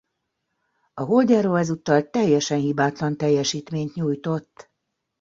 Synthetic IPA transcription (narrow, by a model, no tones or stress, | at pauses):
ɒɦo̞lɟaːɾoːlɛzut̪ːɒlt̪ɛjːɛʃɛnhibaːt̪lɒnt̪ɛjːɛʃiːt̪meːɲt̪ɲuːjt̪o̞t̪ː